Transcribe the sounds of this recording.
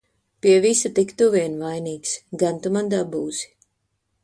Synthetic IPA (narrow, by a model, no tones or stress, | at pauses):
piɛvisat̪ikt̪uviɛnvajniːksɡant̪umand̪aːbuːz̥i̥